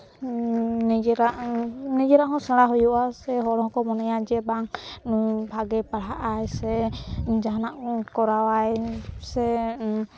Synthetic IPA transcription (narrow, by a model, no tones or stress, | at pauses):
nɛd͡ʒɛɾaʔnɛd͡ʒɛɾaʔɦɔ̃saɽaɦɔjuʔasɛɦɔɾɔhɔ̃kɔmɔnɛjad͡ʒɛbaŋnujbʱaɡɛpaɽaʔajsɛd͡ʒaɦanaʔkɔɾawajsɛ